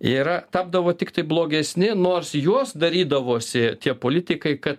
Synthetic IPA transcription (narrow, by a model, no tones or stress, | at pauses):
iːɾɐt̪ɑːb̚d̪ɐʋoːt̪ʲɪkt̪ɐɪblˠoːɡʲɛsʲnʲɪnoːrsjuɔsd̪ɐɾʲiːd̪ɐʋoːsʲɪt̪ʲiɛpoːlʲɪt̪ʲɪkɐɪkɐt̪